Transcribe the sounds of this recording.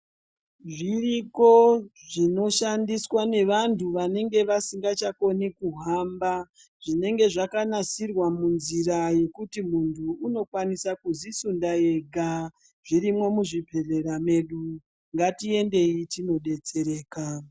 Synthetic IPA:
ʐiriko̞ʐino̞ʃandiswane̞ʋantʰuʋane̞ŋɡe̞ʋasiŋɡat͡ʃako̞nikuɦamba | ʐine̞ŋɡe̞ʐakanasirwamunziɾaje̞kutimuntʰuːno̞kwanisakuzisundae̞ɡʱa | ʐ̥iɾimwo̞muʐipʰe̞re̞rame̞ɗu | ŋɡatie̞nde̞itino̞ɗe̞t͡se̞ɾe̞ːka

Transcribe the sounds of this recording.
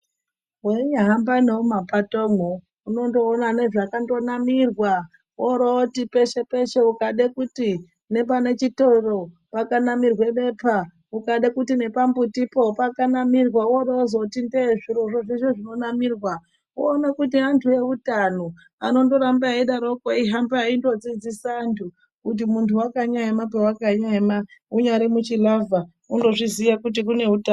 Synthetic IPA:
weɲaɦambaneomapatomo | uno̞ndo̞ːnane̞ʐakando̞namirwa | oɾootipe̞ʃe̞pe̞ʃeukaɗekuti | ne̞pane̞t͡ʃitoiro | pakanamirwe̞ɓe̞pʰa | ukaɗekutine̞pambutipopakanamirwawoɾoozotindeʐiroʐoʐeʃoʐino̞namirwa | oːnakutiantʰuje̞utano | a̰no̞ndo̞ɾambaiɗaɾokoiɦambaindo̞d͡zid͡zisaːntʰu | kut̬imuntʰuwakaɲaemapewakaɲaemauɲaɾimut͡ʃilava | undo̞ʐizijakut̬ikune̞uta

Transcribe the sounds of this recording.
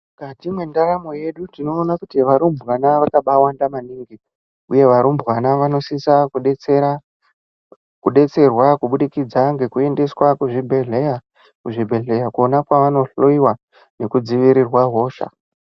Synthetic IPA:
ɡatimwendaɾamo̞je̞ɗutino̞ːnakutiʋaɾumbwanaʋakaɓawandamaniːŋɡi | uje̞ʋaɾumbɣanaʋano̞sisakuɗet͡seɾa | kuɗe̞t͡se̞rwakuɓuɗikid͡zaŋɡe̞kue̞nde̞swakuʐibʱe̞ɮe̞ja | kuʐibʱe̞ɮe̞jakuo̞nakwaʋano̞ɬoiwa | ne̞kud͡ziʋiɾirwaɦo̞ːʃa̰

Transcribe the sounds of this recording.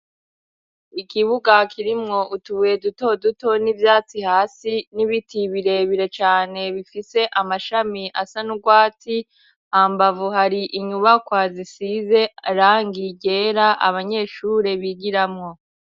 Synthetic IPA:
ikiβuɡakʰiɾimŋo̞ʔutuβujeduto̞duto̞nivjaːt͡sihaːsiniβitʰiβiɾe̞βiɾe̞t͡ʃaːne̞βifise̞ʔamaʃamiʔasanuɡwaːti | haːmbavuɦaɾiʔiɲuβakwazisize̞ɾaːŋɡiɟe̞ːɾaʔa̰βaɲe̞ːʃuːɾe̞βiɡiɾamŋo̞

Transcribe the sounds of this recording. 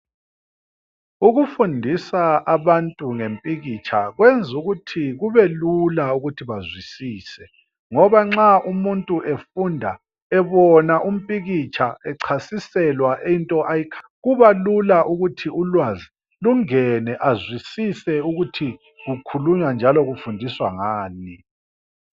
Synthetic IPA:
uɣufundʱisaaβantʼuŋempʼiɣit͡ʃʰaɣwend͡zʱuɣutʰiɣuβɛlulauɣutʰiβazwisiːsɛ | ŋɔβaŋ͡ǁaumuntʼuʔefundʱa̰ | ɛβɔnaʔum̩pʼiɣit͡ʃʰaɛǀʰasisɛlwaʔeintʼɔʔajikʰḁɣuβalulaʔuɣutʰiulwazi | luŋɛnɛʔazwisisɛuɣutʰi | ɣukʰuluɲand͡ʒʱalɔɣufundʱiswaŋaːni

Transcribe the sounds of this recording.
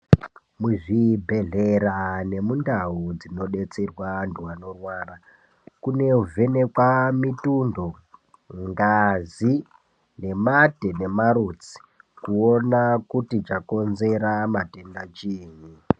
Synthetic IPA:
muʐibʱe̞ɮe̞rane̞mundaud͡zino̞ɗe̞t͡serwanduwano̞rwaːra | kune̞uvʱene̞kwamitundo̞ | ŋɡazi | ne̞mate̞ne̞maɾut͡si̥ | kuo̞nakutit͡ʃako̞nze̞ɾamate̞ndat͡ʃiːni

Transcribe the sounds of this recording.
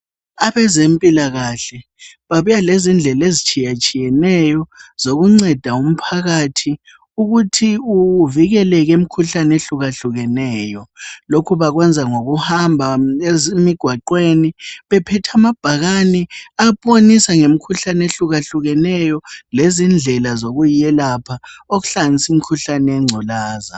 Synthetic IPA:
aβɛzempʼilaɣaɬɛ | βaβujalezind͡ɮʱɛlezit͡ʃʼijat͡ʃʼijɛnɛjɔz̥oɣuŋ͡ǀɛd̥ʱaum̩pʰaɣatʰi | uɣutʰiuviɣɛlɛɣem̩kʰuɬaneɬuɣaɬuɣɛnɛːjɔlokʰuβaɣwɛnd͡zʱaŋoɣuhambʱaezmiɡ̥ʱwaǃweniβɛpʰɛtʰamab̥ʱaɣanɛapʼonisaŋem̩kʰuɬaneɬuɣaɬuɣɛnɛjɔlezind͡ɮʱɛlazoɣujɛlapʰaoɣuɬanisim̩kʰuɬanɛɛŋ͡ǀʱɔlaːza̰

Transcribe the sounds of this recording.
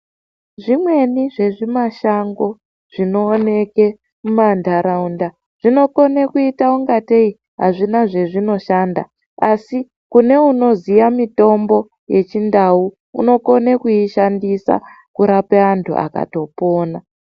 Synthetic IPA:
ʐimwe̞niʐe̞ʐimaʃaŋɡo̞ | ʐ̥ino̞ːne̞ke̞ | mumandʱaɾaunda | ʐ̥ino̞ko̞nekuitauŋɡatei | ɦaʐinaʐe̞ʐino̞ʃanda̰ | asi | kune̞uno̞zijamito̞mbo̞ | je̞t͡ʃindau | ṵno̞ko̞nekuiʃandisa̰ | kuɾapeantʰṵʔa̰ka̰to̞po̞ːna

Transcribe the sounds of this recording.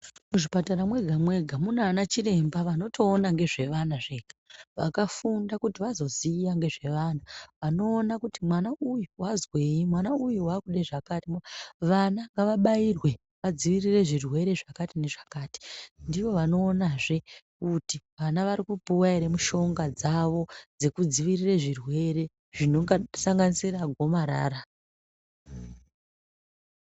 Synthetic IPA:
muʐipataɾamwe̞ɡʱamwe̞ɡʱamunanat͡ʃire̞mbaʋano̞tʰo̞ːnaŋɡe̞ʐe̞ʋanaʐe̞ɡʱḁʋakafundakutiʋazo̞ziːjaŋɡe̞ʐe̞ʋaːnaʋano̞ːnakutimwanaʔujuwazwe̞imwanaujuwakuɗeʐakatimʋanaŋɡaʋaɓairwe̞ | ʋad͡ziʋirire̞ʐirwe̞ɾe̞ʐakatine̞ʐakaːti̥ndiʋo̞ʋano̞ːnaʐe̞kutiʋanaʋaɾikupuwaiɾemuʃo̞ŋɡad͡zaʋo̞d͡ze̞kud͡ziʋirireʐirwe̞ɾe̞ | ʐ̥ino̞ŋɡasaŋɡanisiraɡʱo̞maɾa̰ːɾa

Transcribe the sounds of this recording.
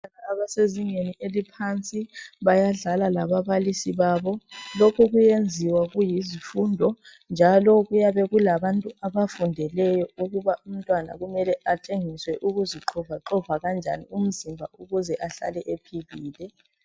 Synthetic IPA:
aɣaːβaseziŋeniʔelipʰant͡sʼiβajaɮalalaβaβalisiβaːβɔlokʰuɣujend͡zʱiwaɣujizifundʱɔ | nd͡ʒʱalɔɣujaβɛɣulaβantʼuaβafundʱɛlɛjɔuɣuβaum̩tʼwana̰ɣumɛlɛʔatʰeŋiswɛʔuɣuziǁʰɔvaǁɔvaɣand͡ʒʱa̰nḭum̩zimbʱa̰uɣuzɛʔaɬa̰lɛʔepʰiβiːlɛ

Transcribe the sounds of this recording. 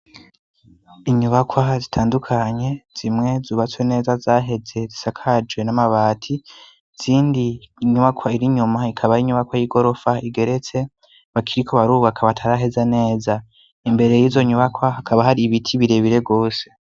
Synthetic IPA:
iɲuβakwazitʰaːndukʰaɲe̞z̥imŋe̞zuβat͡swene̞ːzazaːɦe̞ze̞zisakʰad͡ʒwe̞namaβaːtʰi | z̥iːndiːɲuβakʰwaiɾiɲumaikʰaβaiɲuβakwajiɡo̞ɾo̞faiɡe̞ɾe̞t͡se̞ | βakʰiɾikʰo̞βaɾuːβakʰaβatʰaɾaɦe̞zane̞ːza | imbe̞ɾe̞jiːzo̞ɲuβakwaɦakʰaβaɦaɾiβitʰiβiɾe̞βiɾe̞ɡo̞ːse̞̥

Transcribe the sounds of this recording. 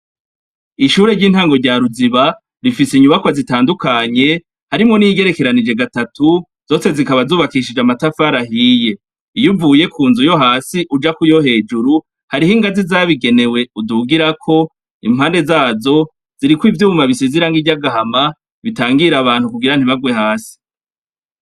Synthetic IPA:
iʃuːɾe̞ɾɟiːn̥haːŋɡo̞ɾɟaːɾuziβa | ɾifisiɲuβakwazitaːndukaɲe̞ | haɾimŋo̞niɡe̞ɾe̞ke̞ɾanid͡ʒe̞ɡatatu | z̥o̞ːse̞zikaβazuːβakiʃ̬id͡ʒamatafaːɾaɦije̞ | ijuvuːje̞kʰuːnzujo̞ɦaːsiʔud͡ʒakujo̞ɦe̞ːd͡ʒuɾu | haɾiɦiŋɡazizaːβiɡe̞ne̞we̞uduɡiɾakʰo̞ | ḭm̥haːnde̞zaːzo̞ | z̥iɾikwiːvjuːβumaβisiziɾaŋɡivɟaɡahama | βitaːŋɡiɾaβaːnhukuɡiɾan̥hiβaɡwe̞haːsi̥

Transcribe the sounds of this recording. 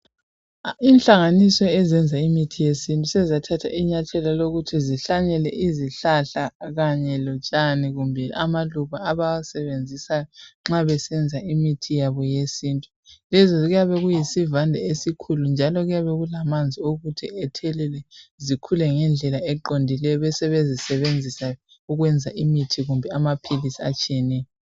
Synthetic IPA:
inɬaŋanisɔɛzɛnd͡zʱaimitʰijesintʼusɛzatʰatʰa̰ʔiɲatʰɛlaloɣutʰiziɬaɲɛlɛ̰ʔiziɬaɬaɣaɲɛlɔt͡ʃʼaniɣumbʱɛamaluβaːβawasɛβend͡zʱisajɔŋ͡ǁaβɛsɛnd͡zʱaimitʰijaβɔjesiːntʼu | lɛzɔɣujaβɛɣujisivandʱaesikʰulund͡ʒʱalɔɣujaβɛɣulamand͡zʱioɣutʰiɛtʰɛlɛlɛzikʰulɛŋɛnd͡ɮʱɛlaɛǃondʱilɛjɔβɛsɛβezisɛβend͡zʱisa | uɣwɛnd͡zʱaʔimitʰiɣumbʱɛamapʰilisiat͡ʃʼiɛnɛːjɔ

